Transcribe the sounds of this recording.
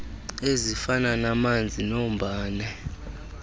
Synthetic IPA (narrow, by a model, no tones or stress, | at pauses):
ezifananamand͡zʱinom̩ɓʱaːnɛ